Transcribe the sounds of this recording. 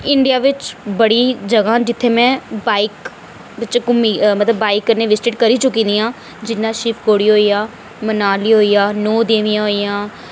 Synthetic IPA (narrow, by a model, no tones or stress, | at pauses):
ɪɳɖijaːʋɪt͡ʃbəɽiːd͡ʒəɡãːd͡ʒɪt̪ʰːeːmɛ̃ːbaːik | ʋɪt͡ʃkʊmiːmət̪ləbːaːikːəneːʋɪsʈeːʈkəɾiːt͡ʃʊkːĩːnd̪iːãː | d͡ʒɪnːãːʃɪpʰkoːɽiːɦoːiːaː | mənaːliːɦoːiːjaːnoːd̪eːʋĩjãːɦoːijãː